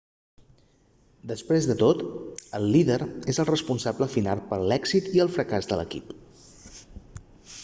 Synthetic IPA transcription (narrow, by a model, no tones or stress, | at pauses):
d̪əspɾezðət̪ot̪əlˠːiðəɾezəlˠrəspunsabləfinalˠpəɾlɛɡzit̪iəlˠfɾəkazðələ̰kḭp